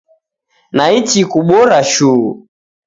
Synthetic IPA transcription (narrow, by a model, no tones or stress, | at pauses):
nait͡ʃikuɓɔɾaʃuu